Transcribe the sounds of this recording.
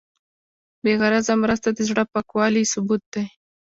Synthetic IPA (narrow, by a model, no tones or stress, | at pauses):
beɣaɾazamɾəst̪ad̪əzɽəpakwɑlisʊbut̪̚d̪aj